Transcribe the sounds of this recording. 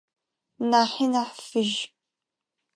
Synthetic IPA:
naːħinaħfɨʒ

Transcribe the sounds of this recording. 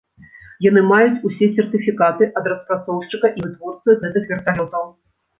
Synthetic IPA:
janɨmajut͡sʲusʲɛsʲɛrt̪ɨfʲikat̪ɨʔɐd̪rɐspɾat̪sɔwʂt͡ʂɨkɐʔivɨt̪vɔrt̪sɨɣɛt̪ɨxvʲɛrt̪alʲɔt̪ɐw

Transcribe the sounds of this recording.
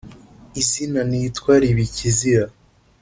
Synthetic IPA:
izinanitkwaːɾiβiciziɾa

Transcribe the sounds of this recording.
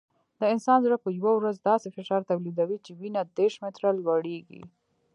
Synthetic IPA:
d̪əɪnsɑnzuɾapəjwawɾazd̪ɑsefɪʃɑɾt̪awlid̪awit͡ʃewinad̪eɾʃmɪt̪ɾalɡaɽeɡḭ

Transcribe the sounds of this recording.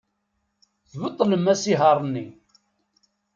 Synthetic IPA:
θwət̪ˤːləmæsiɦɑɾˤnːi

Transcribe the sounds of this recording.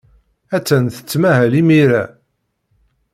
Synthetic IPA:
æt͡sːænθə̥t͡sːmæɦælimiɾæ

